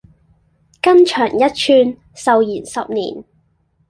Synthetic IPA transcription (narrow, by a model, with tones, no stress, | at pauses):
kɐ˥nt͡ʃʰœː˨˩ŋjɐ˥t̚t͡ʃʰyː˧n | sɐ˨wjiː˨˩nsɐ˨p̚niː˨˩n